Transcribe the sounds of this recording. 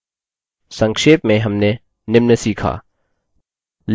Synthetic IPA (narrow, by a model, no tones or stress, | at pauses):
sɐ̃ŋkʃeːpmẽɦɐmne | nɪmnəsiːkʰa̰ː | l